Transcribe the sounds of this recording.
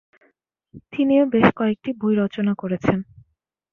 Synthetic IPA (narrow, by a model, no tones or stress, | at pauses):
t̪iniobeʃkɔek̚ʈibʱujɾɔt͡ɕonakoɾet͡ɕʰen